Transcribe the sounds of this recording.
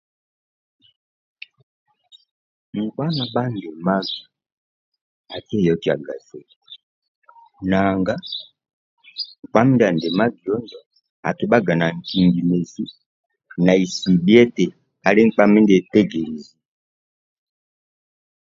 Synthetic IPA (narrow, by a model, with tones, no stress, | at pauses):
ŋ̩˨kwa˦na˨ba˦n˨dɛ˨ma˦ɡi˨ | a˨kɛ˦˨jɔ˨ki˦a̰˨ɡa˨sɛ˨ | na˨ŋɡa˦ | ŋ˨k͡pa˦m˦da˨n˨dɛ˨ma˦ɡi˨ɔ˦ndɔ˨ | a̰˨tɛ˨ba˦ɡa˨na˨ŋ̩˨ki˨ŋɡi˨mɛ˨zi˦ | na˨i˨si˨bi˦ɛ˦tɛ˨ | a˨lɛ˦ŋ̩˦k͡pa˦mɛ˦ndɛ˨tɛ˦ɡɛ˨li˨zi˨